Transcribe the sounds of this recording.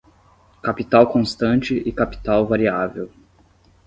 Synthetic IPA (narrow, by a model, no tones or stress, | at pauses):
kapit̪awkõst̪ɐ̃nt͡ʃɪɪkapi̥t̪awvaɾiavew